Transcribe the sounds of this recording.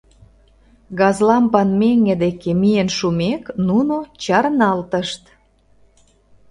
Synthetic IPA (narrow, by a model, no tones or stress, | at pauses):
ɣɑzlɑmpɑnmeŋɡed̪ekemijenʃumeknunot͡ɕɑɾnɑlt̪əʃt̪